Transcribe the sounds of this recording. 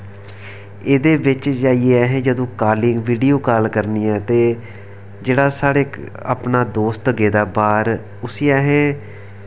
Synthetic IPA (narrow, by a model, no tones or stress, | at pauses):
eːd̪eːʋɪt͡ʃd͡ʒaːieɛːɦɛ̃ːd͡ʒəd̪õːkaːlɪ̃ŋɡʋiːɖijoːkaːlkəɾniːɛːt̪eː | d͡ʒeːɽaːsaːɽeːk | a̰pnaːd̪oːst̪ɡeːd̪aːbaːɾ | ʊsiːɛːɦɛ̃ː